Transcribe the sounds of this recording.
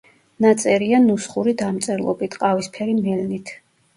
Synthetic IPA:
nat̪sʼɛɾianusχuɾid̪amt̪sʼɛɾlˠɔ̰bit̪ʰqʼavispʰɛɾimɛlnit̪ʰ

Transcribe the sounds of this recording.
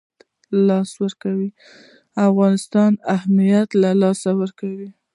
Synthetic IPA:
lɑswəɾkawi | afɣɑnɪst̪ɑnahmijat̪lalɑsawəɾkawi

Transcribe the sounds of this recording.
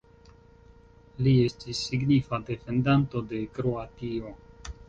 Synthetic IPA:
lie̞stisːiɡnifade̞fe̞ndanto̞de̞kɾo̞atio̞

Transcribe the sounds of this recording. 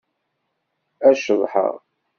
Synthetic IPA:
æʃəðˤħə̰ʁ

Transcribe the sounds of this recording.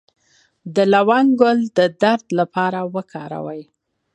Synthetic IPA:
d̪əlawɑnɡʊld̪əd̪aɾd̪lapɑɾawəkʰɑɾa̰wəj

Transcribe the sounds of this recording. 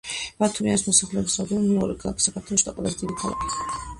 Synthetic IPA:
bat̪ʰumianismɔsaχlɛɔbisad̪ɛnɔmɛɔɾɛkʰalˠa̰kʰi̥sakʰaɾt̪ʰɔlˠɔʃi̥d̪aqʼwɛlˠazɛd̪id̪ikʰalˠa̰kʰi̥

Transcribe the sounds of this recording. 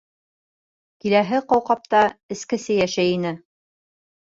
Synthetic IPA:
kilæɦɘqɑwqɑp̚t̪ɑɘ̆skɘ̆sɘjæʃæjinɘ

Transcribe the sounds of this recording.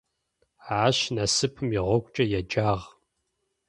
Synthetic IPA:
aːɕnɐsɨpʰɨmjɪʁʷɔkʷʼt͡ʃʼɐjɛd͡ʒʼaːʁ

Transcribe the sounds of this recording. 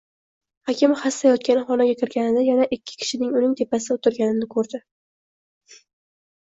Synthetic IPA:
hakʲɪmhasːajɒt̪̚kʲanɪχɒnaɡʲakʲʰɪɾɡʲanɪnɪjanaʔɪkʲʰːɪ̥kʲʰɪ̥ʃɪnɪŋʊnɪŋt̪ʰe̞pasɪʊt̪ʰɪɾɡʲanɪnɪkʰɵɾd̪ɪ

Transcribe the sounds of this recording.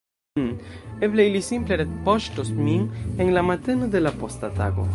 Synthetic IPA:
nebleilisimpleɾetpoʃtosminenlamat̪e̞nod̪e̞lapo̞stat̪a̰ɡo̞̰

